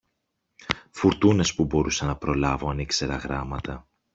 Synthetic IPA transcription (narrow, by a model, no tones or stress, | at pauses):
fuɾt̪une̞spubo̞ɾusɐnɐpɾo̞lɐvoɐnikse̞ɾɐɣɾɐmɐt̪ɐ